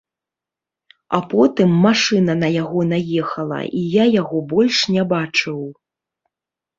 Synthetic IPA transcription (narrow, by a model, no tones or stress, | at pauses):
a̰pɔt̪ɨmːaʂɨnɐnɐjaɣɔnajɛxɐlˠɐ̰ʔijajaɣɔbɔlʲʂnʲɛbat͡ʂɨw